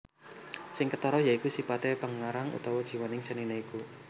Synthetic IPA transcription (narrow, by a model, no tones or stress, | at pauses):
sɪŋkət̪ɔɾɔjaikusipat̪epəŋaɾaŋṵt̪ɔwɔd̥ʒ̥i̤wanɪŋsənineiku